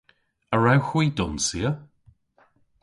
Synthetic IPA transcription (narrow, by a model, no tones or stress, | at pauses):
əɹawxwiːdʊnsiə